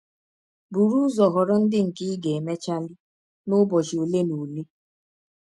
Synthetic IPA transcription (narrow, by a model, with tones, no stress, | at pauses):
bu˨ɾu˦zɔ˨ɦɔ˨ɾɔ˦n̩˦dɪ˦ŋ̩˨kɪ˦ɡe˨e˨me˦t͡ʃa˦li˦ | nʊ˦bɔ˨ʒi˨o˨le˦nu˨le˦